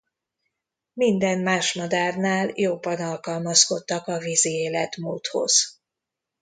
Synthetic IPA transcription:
mind̪ɛnmaːʃmɒd̪aːrnaːljobːɒnɒlkɒlmɒsko̞t̪ːɒkɒvizieːlɛt̪muːt̪ho̞̰z̥

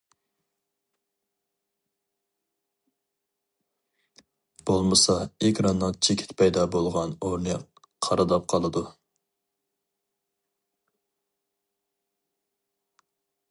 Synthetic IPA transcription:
b̥olˠmɨsɑekʲɾɑnːɨŋt͡ʃʰekʲʰɪ̥t̪pʰɛjd̪ɑbolˠʁɑnoɾnɨ | qʰɑɾɨd̪ɑp̚qʰɑlˠɨd̪u

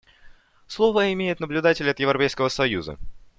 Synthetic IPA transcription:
slˠo̞vəɪmʲejɪt̪nəblʲʊd̪atʲɪlʲɐt̪jɪvɾɐpʲejskəvəsɐjuzə̰

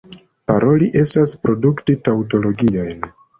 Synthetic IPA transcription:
paɾʔo̞liʔe̞staspɾo̞duktitawto̞lo̞ɡiojn

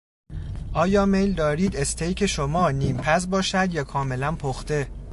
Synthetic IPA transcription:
ʔɒːjɒːmejld̪ɒːɾiːd̪e̞st̪ʰejkʰeʃomɒːniːmpʰæs̬bɒːʃæd̪jɒːkʰɒːme̞lænpʰoxt̪e̞

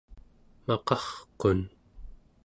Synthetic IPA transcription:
mɑqɑχqon

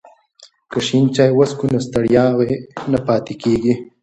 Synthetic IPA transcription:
kaʃint͡ʃɑjwaskunast̪aɽjɑːɣenapɑːt̪ɪkeɡi

